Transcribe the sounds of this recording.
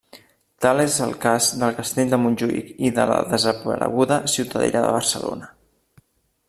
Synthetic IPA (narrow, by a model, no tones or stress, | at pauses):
t̪alezəlˠkazd̪əlˠkəst̪eʎd̪əmunʲʒuḭkiðələðəzəpəɾə̰ɣ̞uðəsiwt̪əðḛɾəðə̰β̞ərsəlo̰nə